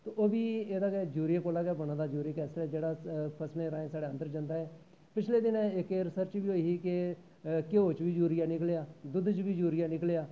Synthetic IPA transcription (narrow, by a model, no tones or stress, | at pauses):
t̪oːʔoːbiːeːd̪aːɡɛːd͡ʒuːɾijeːkoːlaːɡɛːbəɽ̃ãːd̪aːd͡ʒuːɾiːkɛːsɾɛːd͡ʒeːɽaːpʰəsneːɾaːẽːsaːɽeːənd̪əɾd͡ʒənd̪aːɦɛː | pɪt͡ʃʰleːd̪ɪnɛ̃ɪkeːɾɪsəɾt͡ʃʋiːoːiːɦiːkɪ | kɪoːt͡ʃʋiːd͡ʒuːɾɪjaːnɪkleːaːd̪ʊd̪t͡ʃʋiːd͡ʒuːɾɪjaːnɪklejaː